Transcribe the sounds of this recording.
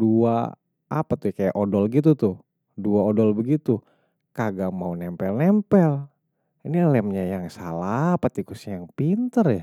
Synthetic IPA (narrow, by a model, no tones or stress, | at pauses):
dua̰ | apat̪ʊkajaʔodɔlɡit̪̬ut̪ʊ | duaodɔlbəɡit̪u | kaɡamaunɛmpɛlnɛmpɛl | inilɛmɲajaŋsalapat̪ikusɲajaŋpint̪ərja